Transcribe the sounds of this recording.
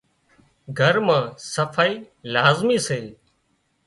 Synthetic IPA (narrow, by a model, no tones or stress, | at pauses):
ɡʱəɾmãːsəfʰaːiː | laːzmiːseː